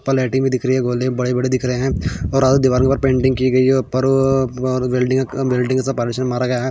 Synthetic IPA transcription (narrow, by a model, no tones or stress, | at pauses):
pɐlɛːʈĩŋbʱid̪ɪkʰɾɐɦeɦɛ̃ɡoːlebɐɽebɐɽed̪ɪkʰɾɐɦeɦɛ̃ɔːɾaːd̪ud̪ɪʋaːɾõkepɐɾpẽːɳʈɪ̃ŋɡkiɡɐiɛpɐɾː | ɾʋeːlɖɪ̃ŋʋeːlɖɪ̃ŋkasapaːɾmɪʃənmmaːɾaɡɐjaɦɛ